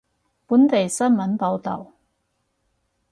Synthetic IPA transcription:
puː˨˥nt̪e˨jsɐ˥nmɐ˨˥npo˨˧wt̪ɐ̰˨˩w

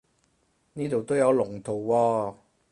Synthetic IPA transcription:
niː˥t̪o˨wt̪o˥wjɐ˨˧wlʊ˨˩ŋt̪ʰo˨˩wːɔː˧

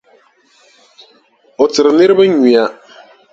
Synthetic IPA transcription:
o˨tɨ˨ɾɨ˨nɪ˦ɾɨ˦bɨ˦ɲi˨a˦

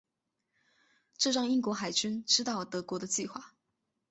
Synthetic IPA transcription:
ʈ͡ʂɤ˥˧ʂɑ˥˧ŋi˥ŋkwɔ˧˥xa˨˩ɪt͡ɕy˥nʈ͡ʂɻ̩˥t̪ɑ˥˩ʊt̪ɤ˧˥kwɔ˧˥d̪ə˧t͡ɕi˥˧xwa˥˩

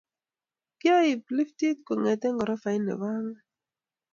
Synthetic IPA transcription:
kɪ˦a˦i˨pli˦fti˦t̪̚ko˨ŋɛ˨t̪ɛ˦ŋɡɔ˨ɾɔ˦fa˨i˦nɛ̰˨ba˦ŋa˦

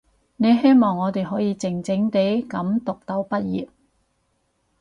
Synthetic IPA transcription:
ne˨˧jɦe˥jmɔː˨˩ŋːɔː˨˧t̪e˨jɦɔː˨˥jiː˨˧t͡sɪ˨˩ŋt͡sɪ˨˥ŋt̪e˨˥jkɐ˨˥mt̪ʊ˨k̚t̪ɐ˨˥wpɐ˥t̚jḭː˨p̚

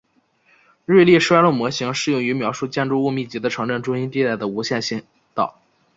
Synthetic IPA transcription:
ɻe˥˧ɪlji˥˧ʂwa˥ɪlo˥˩mwɔ˧˥ɕi˧˥ŋʂɻ̩˥˧jʊ˥˩ŋy˧˥mjɑ˧˥ʊʂu˥˧t͡ɕjɛ˥˧nʈ͡ʂu˥˧u˥˧mi˥˩t͡ɕi˧˥d̪ə˧ʈ͡ʂʰɤ˧˥ŋʈ͡ʂə˥˩nʈ͡ʂʊ˥ŋɕi˥nt̪i˥˧t̪a˥˩d̪ə˩u˧˥ɕjɛ˥˧nɕi˥˩n | t̪ɑ˥˩ʊ

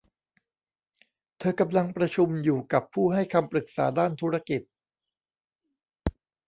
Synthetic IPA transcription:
t̪ʰɤː˧ka˧mla˧ŋpɾa˧t͡ɕʰu˧mjuː˨˩ka˨˩pʰːuː˥˩ɦa˥˩jkʰa˧mpɾɯ˨˩k̚saː˩˦daː˥˩nt̪ʰu˦˥ɾa˧ki˨˩t̪̚

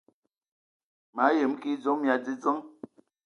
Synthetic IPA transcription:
ma˨˦je˨˦m˦ki˦d͡zo˨˦ŋm˨a˨d͡zi˦d͡zə˦ŋ

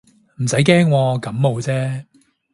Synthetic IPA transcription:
m̩˨˩sɐ˨˥jkɛː˥ŋwɔː˧kɐ˨˥mmo˨˧wt͡sɛː˥

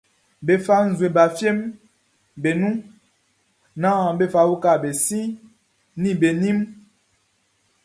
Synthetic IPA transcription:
be˨fa˦n̩˨zwe˨ba˨fje˦m | be˨nu˦ | nã˦˨be˦fa˨wu˦ka˦˨be˨sĩ˦ | ni˦˨be˨ni˦m

